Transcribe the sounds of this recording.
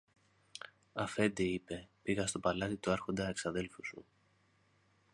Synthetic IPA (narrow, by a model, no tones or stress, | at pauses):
ɐfe̞nd̪iipe̞piɣɐst̪o̞pɐlɐt̪it̪uɐɾxo̞nd̪ɐeksɐðe̞lfusṵ